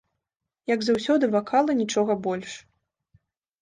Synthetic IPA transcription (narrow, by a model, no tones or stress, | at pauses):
jɐɡzawsʲɔd̪ɨvakʰalˠɐnʲit͡ʂɔɣɐbɔlʲʂ